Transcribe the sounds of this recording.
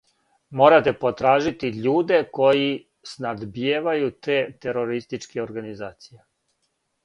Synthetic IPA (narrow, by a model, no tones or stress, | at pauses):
mo̞ːɾat̪e̞po̞t̪ɾaːʒit̪iʎuːd̪e̞ko̞ji | snad̪bjeːʋajut̪e̞ːt̪e̞ɾo̞ɾist̪it͡ʃkeoɾɡanizaːt̪sije